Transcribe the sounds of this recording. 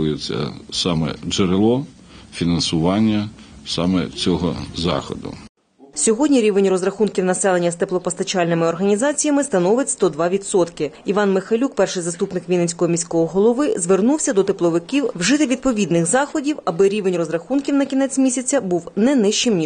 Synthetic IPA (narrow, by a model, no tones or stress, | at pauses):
ʊjet͡sʲːɐ̰sɑmɛ̰d͡ʒeɾelˠɔ | fʲinɐnsʊʋɑnʲːɐsɑmɛ̰t͡sʲɔɦɔ̰zɑ̰xɔ̰d̪ʊ̰ | sʲɔɦɔdʲnʲiɾʲiʋenʲrɔzrɐxunkʲiwnɐsɛlˠenʲːɐst̪eplˠɔpɔst̪ɐt͡ʃɑlʲnɪmɪɔrɦɐnʲizɑt͡sʲijɐmɪst̪ɐnɔʋɪtʲst̪ɔd̪ʋɑʋʲit̪sɔt̪kɪiʋɑnmɪxɐlʲuk̚pɛrʃɪjzɐst̪upnɪkʋʲijnenʲsʲkɔɦɔmʲisʲkɔɦɔɦɔlˠɔʋɪzʋernuwsʲɐd̪ɔt̪ɪplˠɔʋɪkʲiwwʒɪt̪ɪʋʲid̪̚pɔʋʲid̪nɪxzɑxɔdʲiwɐbɪɾʲiʋenʲrɔzrɐxunkʲiwnɐkʲinɛt͡sʲmʲisʲɐt͡sʲɐbuwnɛnɪʃt͡ʃɪmnʲi